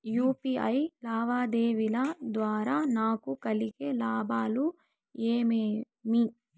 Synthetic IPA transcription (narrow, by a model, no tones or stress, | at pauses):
juːpiɐjlaːʋaːd̪eːʋilɐd̪ʋaːɾaːnaːkukɐlikelaːbaːlu | eːmeː | mi